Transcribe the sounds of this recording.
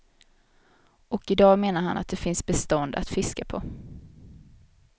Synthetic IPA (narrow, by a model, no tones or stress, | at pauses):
ʔɔkɪd̪ɑːmeːnaɾha̰nʔa̰t̪̚d̪ɛfɪnsbɛst̪ɔnd̪a̰t̪fɪskapʰɔ